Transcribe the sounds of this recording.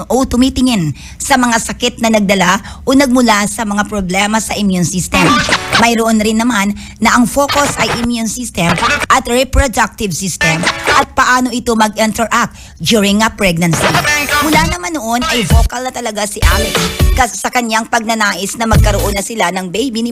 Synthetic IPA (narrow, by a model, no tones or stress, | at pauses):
ʔot̪ʊmit̪ɪŋɪn | sɐmɐŋasɐkɪt̪̚nɐnɐɡ̚d̪ɐla | ʔonɐɡ̚mʊlasɐmɐŋapɾoblɛmɐsɐʔɪmjunsist̪ɛmmɐjɾoʔonɾɪnːɐmanː | ɐʔɐŋfo̞ko̞sʔɐjʔɪmjunsist̪ɛmʔɐt̪ɹɛpɹod̪ak̚t̪ɪvsist̪ɛmʔɐt̪̚pɐʔaːno̞ʔɪt̪o̞mɐɡʔɛnt̪ɛɹʔak̚t̪ | d̪uɹɪŋːɐpɹɛɡ̚nɐnsimʊlanɐmanoʔo̞nʔɐjvo̞ːkɐlnɐt̪ɐlɐɡasɪʔalɛk̪kɐsɐkɐɲjaŋpɐɡ̚nɐnaːʔɪsnɐmɐɡ̚kɐɾoʔo̞nːɐsɪlanɐŋbɛjbinɪ